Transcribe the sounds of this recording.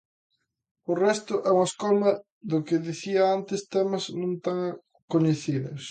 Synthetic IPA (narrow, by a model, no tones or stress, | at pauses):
ʊrɛst̪ʊʔɛuŋɐskɔlmɐ | ðʊkɪðiθiɐant̪ɪst̪ɛmɐznõnt̪aŋ | koɲeθiðʊ̰s